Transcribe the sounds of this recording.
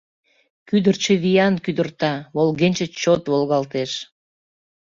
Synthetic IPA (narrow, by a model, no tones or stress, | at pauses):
kyd̪ərt͡ɕəβijɑnkyd̪ərt̪ɑβolɣenʲt͡ɕət͡ɕot̪βolɣɑlt̪eʃ